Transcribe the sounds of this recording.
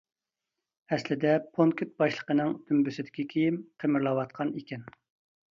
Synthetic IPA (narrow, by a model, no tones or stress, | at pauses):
ɛslɪd̪ɛpʰonkʲʰyt̪̚bɑʃlˠə̥qənɨŋt̪ʰymbysɪd̪ɪ̥kʲikʲʰejimqʰemɪɾlˠɑwɑt̪̚qʰɑnikʲɛn